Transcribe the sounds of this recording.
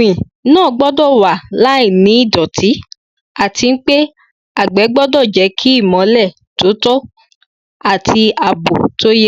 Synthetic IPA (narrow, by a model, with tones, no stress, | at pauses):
ĩ˨ | nãː˦˨ɡ͡bɔ˦dɔ˦˨wa˨la˨˦i˦˨nĩ˨˦i˦˨dɔ˨tʰi˨˦ | a˦˨ti˧n̩˦k͡pe˦ | a˦˨ɡ͡bɛ˨˦ɡ͡bɔ˦dɔ˦˨d͡ʒɛ˨˦kʰi˦i˦˨mɔ̃˨˦lɛ˦˨ | to˨˦to˦ | a˦˨tʰi˧a˨bo˨to˦je˦